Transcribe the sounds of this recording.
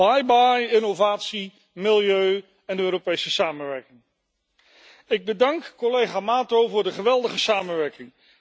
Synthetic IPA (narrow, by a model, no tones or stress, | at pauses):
ajbajɪnovaːtsi | mɪlˠjøɥ | ɛndəøːropejsəsaːmənʋɛɹkɪŋ | ɪɡ̚bədɑŋkːɔlejχaːmaːtowvʊːɹdəχəʋɛlˠdəχəsaːmənʋɛɹkɪŋ